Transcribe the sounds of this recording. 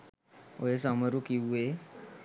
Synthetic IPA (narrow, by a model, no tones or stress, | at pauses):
o̰jes̬aməɾukie